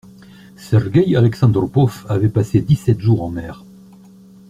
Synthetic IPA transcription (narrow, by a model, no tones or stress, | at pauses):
sɛʁɡʲɛjalɛksɑ̃d̪ʁpɔfavɛpased̪isɛt̪ʒuʁɑ̃mɛːʁ